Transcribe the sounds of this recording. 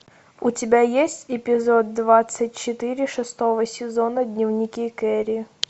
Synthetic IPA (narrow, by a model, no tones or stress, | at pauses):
ʊtʲɪbʲajesʲtʲɪpʲɪzod̪̚ːvat̪sɨtʲt͡ɕɪt̪ɨɾʲɪʂɨst̪ovəsʲɪzonədʲnʲɪvnʲɪkʲikɛɾʲɪ